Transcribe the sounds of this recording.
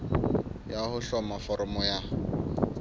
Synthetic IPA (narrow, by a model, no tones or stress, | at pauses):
jahʊɬɔmafɔɾɔmɔja